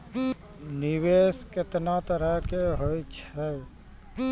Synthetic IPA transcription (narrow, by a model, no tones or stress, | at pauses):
niweskɪt̪nat̪əɾəɦkeɦojt͡ʃʰɛ